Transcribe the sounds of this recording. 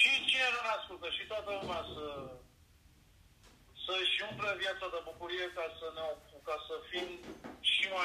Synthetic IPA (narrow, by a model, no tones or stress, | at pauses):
ʃit͡ʃinenuneaskult̪əʃit̪wat̪əlumeasə | səʃiumplevjat̪sad̪əbukuɾijekasəneokukasəfimʃima